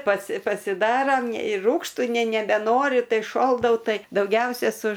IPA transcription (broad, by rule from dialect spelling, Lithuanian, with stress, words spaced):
pɐsʲɪ pɐsʲɪˈdɑːrɐm ɪr ˈruːkʃtʊ nʲɛ nʲɛbʲɛˈnoːrʲʊ ˈtɐɪ ʃoːlˠdɐʊ ˈtɐɪ dɐʊˈɡʲɛʊsʲɛ sʊ